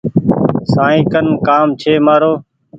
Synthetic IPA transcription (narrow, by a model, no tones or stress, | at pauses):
sãːĩːkənkaːmt͡ʃʰeːmaːɾoː